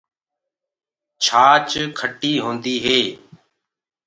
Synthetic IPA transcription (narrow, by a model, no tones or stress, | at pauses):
t͡ʃʰaːt͡ʃkʰəʈiːɦõːnd̪iːɦeː